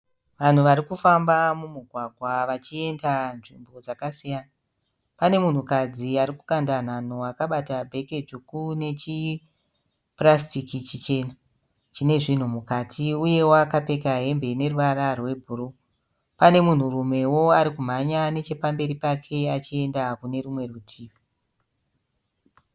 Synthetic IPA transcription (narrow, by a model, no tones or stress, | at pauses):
ʋan̤uʋaɾikufambamumuɡʱwaɡʱwaʋat͡ʃie̞ndanʐimbo̞d͡zakasijaːna | pane̞mun̤ukad͡ziaɾiku̥kandan̤anoakaɓatabʱe̞ke̞d͡ʒukune̞t͡ʃi | prastikit͡ʃit͡ʃe̞na | t͡ʃine̞ʐin̤umukatʰiuje̞woakape̞kaɦe̞mbe̞neruʋaɾarwe̞bʱuɾo | pane̞mun̤urume̞woaɾikum̤aɲane̞t͡ʃe̞pambe̞ɾipakʰe̞at͡ʃie̞ndakune̞ɾumwe̞rutʰiːʋa